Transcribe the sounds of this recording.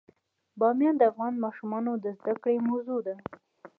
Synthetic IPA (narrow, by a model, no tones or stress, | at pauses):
bɑmjɑnd̪əafɣɑnmɑʃumɑnod̪əzd̪akɽemawzud̪a